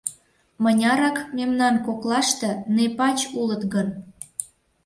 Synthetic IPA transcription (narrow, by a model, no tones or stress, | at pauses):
mənʲɑɾɑkmʲemnɑnkoklɑʃt̪ɤ̆nepɑt͡ɕulət̪ɣən